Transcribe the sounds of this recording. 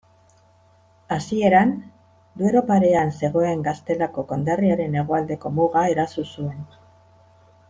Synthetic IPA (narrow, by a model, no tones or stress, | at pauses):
asie̞ɾan | d̪ueɾo̞paɾe̞anse̞ɣ̞o̞e̞ŋɡast̪e̞lako̞ko̞nd̪ariaɾe̞ne̞ɣoald̪e̞ko̞muɣae̞ɾasusue̞n